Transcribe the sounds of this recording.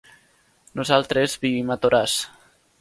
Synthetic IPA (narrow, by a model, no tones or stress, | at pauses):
nuzalˠt̪ɾezbiβimat̪oɾas